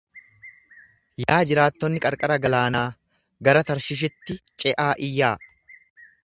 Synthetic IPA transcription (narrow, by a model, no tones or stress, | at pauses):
jaːd͡ʒɪɾaːt̪ːɔnːɪkʼɐɾkʼɐɾɐɡɐlaːnaː | ɡɐɾɐt̪ɐɾʃɪʃ̬ɪt̪ːɪt͡ʃʼɛʔaːʔɪjːaː